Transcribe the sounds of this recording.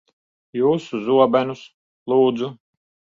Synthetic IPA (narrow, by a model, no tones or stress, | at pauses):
juːsuzuɔbɛnus | lˠuːd̪zu